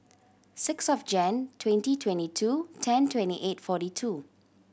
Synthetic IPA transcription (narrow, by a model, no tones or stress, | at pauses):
sɪksɔfd͡ʒɛ̃ntʰwɛ̃ntitʰwɛ̃ntitʰutʰɛ̃ntʰwɛ̃ntḭʔetfɔtitʰu